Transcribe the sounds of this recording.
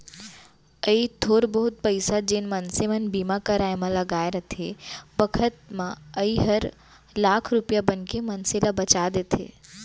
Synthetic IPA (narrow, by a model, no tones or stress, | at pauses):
əit̪ʰoːɾbəɦʊt̪̚pəɪsad͡ʒenmənsemənbimakəɾaːemãləɡaːeɾət̪ʰebəkʰət̪̚mãəiɦəɾ | laːkʰɾʊpjabənkemənselabət͡ʃad̪et̪ʰḛ